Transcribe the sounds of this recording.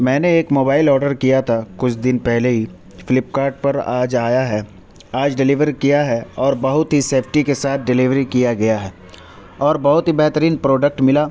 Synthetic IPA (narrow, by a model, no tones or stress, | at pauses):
mɛ̃ːneeːkmoːbaːɪlɔːɾɖəɾkijat̪ʰakʊt͡ʃʰd̪ɪnpɛɦleɦi | fɪlɪp̚kaːɾɖ̚pɐɾa̰ːd͡ʒaːjaɦɛ | aːd͡ʒɖɪlɪʋəɾkijaɦɛɔːɾbɐɦʊt̪ɦiseːpʰʈikesaːt̪̚ʰɖɪlɪʋɾikijaɡɐjaɦɛː | ɔːɾbɐɦʊt̪ɦibɛɦt̪əɾiːnpɾɔːɖək̚ʈmɪlaː